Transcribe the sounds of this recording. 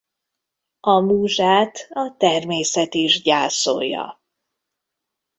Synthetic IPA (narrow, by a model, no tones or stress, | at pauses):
ɒmuːʒaːt̪ɒt̪ɛrmeːsɛt̪iʒɟaːso̰ːjɒ̰